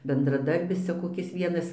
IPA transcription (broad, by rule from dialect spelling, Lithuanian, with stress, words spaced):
bʲɛndrɐˈdɐrʲbʲɪs ˈt͡sʲɛ koːˈkʲɪs ˈʋʲiɛnɐs